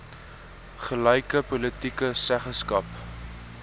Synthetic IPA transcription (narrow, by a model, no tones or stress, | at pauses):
χəlɐjkəpolətikəsæχəskɐp